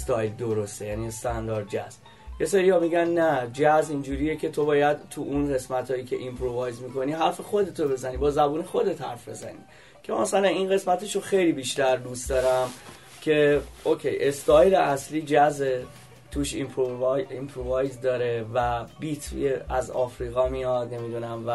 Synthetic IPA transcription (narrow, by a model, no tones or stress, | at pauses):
st̪ɒjld̪oɾost̪ejæniest̪ænd̪ɒːɾd̪̚d͡ʒæ̰zb | jeseɾiːhɒmiːɟænːæd͡ʒæzind͡ʒuːɾiːjecʰe̞t̪ʰo̞bɒːjæd̪t̪ʰuʔunɢe̞smæt̪ʰhɒːjiːcʰe̞ʔimpʰɾovɒːjzmikʰo̞niːɦæɾfe̞xo̞d̪e̞t̪ʰobe̞zæniːbɒːzæbuːne̞xo̞d̪e̞t̪hæ̰ɾfbe̞̰zæ̰nḭː | cʰe̞mæsælæninɣe̞smæt̪e̞ʃoxejliːbiːʃt̪æɾd̪ust̪d̪ɒːɾæm | cʰe̞okʰḛjʔest̪ɒːjɾeʔæsliːd͡ʒæze | t̪ʰuːʃḭmpʰɾovjimpʰɾovɒːjzd̪ɒːɾe̞væbit̪ʰḭeæzɒ̰ːfɾiːɣɒmijɒd̪̥̚ne̞mid̪unæmvæ